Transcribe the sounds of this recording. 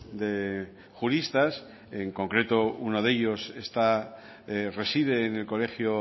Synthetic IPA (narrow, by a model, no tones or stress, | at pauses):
d̪e̞ | xuɾist̪as | eŋko̞ŋkɾe̞t̪o̞unoðe̞ʎo̞se̞st̪a | re̞siðe̞ːne̞lko̞le̞xjo